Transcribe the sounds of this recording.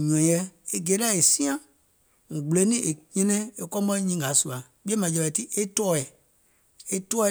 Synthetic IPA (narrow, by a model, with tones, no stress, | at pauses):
ɲɔ̃˨jɛ˧e˦ɡe˨˦lɛ˦˨e˨sĩ˦ã˦ | ŋ̩̃˨ɡ͡be˨˦nĩ˦e˨ɲɛ̃˧nɛ̃˦e˨kɔ˦ɔ˦i˦ɲĩː˦ɡa˨˦su˨a˨ | ɓi˦ɛ˦mã˨d͡ʒɛ˧ɓɛ˨ti˦ʔe˦tɔː˦ɛ˨ | e˦tɔː˦ɛ˦˨